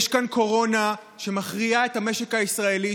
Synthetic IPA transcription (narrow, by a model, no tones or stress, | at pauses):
ʃkanko̞ʁo̞na | ʃe̞maχʁiae̞thame̞ʃe̞kaisʁae̞li